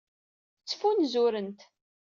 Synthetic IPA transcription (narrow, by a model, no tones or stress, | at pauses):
t͡sːə̥funzʊɾənt̪